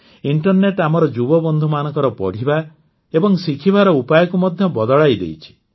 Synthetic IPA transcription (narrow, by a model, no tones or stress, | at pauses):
iɳʈɔɾneʈamɔɾɔd͡ʒubɔbɔnd̪ʱumanɔŋkɔɾɔpɔ̰ɽ̤iba | ebɔŋsikʰibaɾɔupajɔkumɔd̪ʱjɔbɔd̪ɔɭajd̪ḛjt͡ʃʰi̥